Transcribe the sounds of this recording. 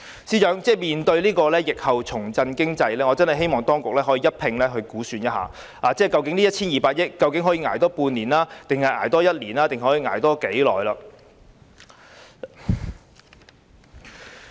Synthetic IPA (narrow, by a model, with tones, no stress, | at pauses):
siː˧˥t͡ʃœː˨˥ŋt͡sɛː˥˩miː˨nt̪ɵ˧ɥliː˥kɔː˧lɛː˥jɪ˨k̚hɐ˨wt͡sʰʊ˨˩ŋt͡sɐ˧nkɪ˥ŋt͡sɐ˧jlɛː˥ŋɔː˨˧t͡sɐ˥nhɐ˨˩ɦe˥jmɔː˨ŋt̪ɔː˥ŋkʊ˨k̚lɛː˥ɦɔː˨˥jiː˨˧jɐ˥t̚pʰɪ˧ŋlɛː˥ɦɵ˧ɥkuː˨˥syː˧njɐ˥t̚ɦa̰ː˨˩ | aː˨˩t͡sɛː˥˩kɐ˧wkɪ˨˥ŋliː˥jɐ˥t̚ʰiː˥njiː˨˩paː˧k̚jɪ˥kːɐ˧wkɪ˨˥ŋɦɔː˨˥jiː˧ŋaː˨˩jt̪ɔː˥puː˧nliː˨˩nlaː˥t̪ɪ˨ŋhɐ˨jʔaː˨˩jt̪ɔː˥jɐ˥t̚liː˨˩naː˥t̪ɪ˨ŋɦɔː˨˥jiː˧ŋa̰ː˨˩jt̪ɔː˥ke˨˥jlɔː˨˩jlaː˧